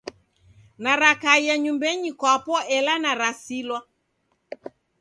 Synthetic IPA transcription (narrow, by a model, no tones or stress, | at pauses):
naɾakaijaɲumbɛɲikwapɔʔɛlanaɾasilwa